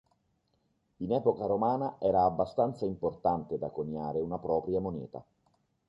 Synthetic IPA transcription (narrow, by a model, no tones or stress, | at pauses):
inɛːpokaɾomaːnaʔɛːɾaːbːast̪ant̪saimport̪ant̪ed̪akoɲːaːɾeunapɾɔːpɾjamonɛ̰ːt̪a̰